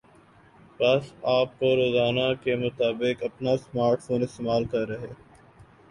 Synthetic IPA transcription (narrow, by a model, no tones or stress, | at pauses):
pɐsaːp̚koɾoːzaːnakemʊt̪aːbɪkɐpnasmaːɾʈfoːnɪst̪eːmaːlkɐɾɾɐɦeː